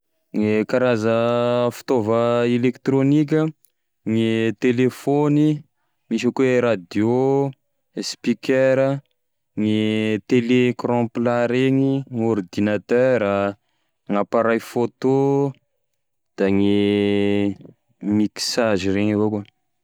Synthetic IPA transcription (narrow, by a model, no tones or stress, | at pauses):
ŋekaɾazəfi̥t̪ovəelekt̪ɾonik̬ʲə | ŋit̪elefoni | miʃəkuweɾad̪jo | spikeɾə | ŋit̪elekrɔ̃plaɾeɲiŋoɾd̪inat̪øɾa | ŋapaɾajfot̪o | d̪̥aŋi | miksaʒireɲavoku